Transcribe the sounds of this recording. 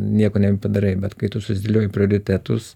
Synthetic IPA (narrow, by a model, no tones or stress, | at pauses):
nʲiɛkoːnʲɛbʲɛpɐd̪ɐɾɐɪbʲɛt̪kɐɪt̪ʊsʊsʲɪd̪ʲɪlʲoːjɪpʲɾʲɪoːɾʲɪt̪ʲɛt̪ʊ̰s